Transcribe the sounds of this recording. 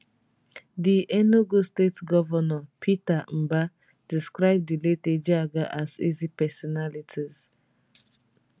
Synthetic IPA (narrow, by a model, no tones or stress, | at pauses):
diʔɛnoɡostetɡɔvɔnɔpʰitam̩ba | d̥iskɹaɪb̚dileted͡ʒaɡaʔazḭzipɛsɔnalitʰiz̥